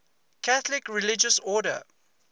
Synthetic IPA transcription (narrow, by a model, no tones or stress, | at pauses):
kʰaθlɪkɹilɪd͡ʒəsɔdə̰